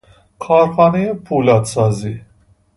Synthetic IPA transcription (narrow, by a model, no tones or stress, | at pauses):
kʰɑːɾxɑːnɛjepʰulɑt̪sɑːzi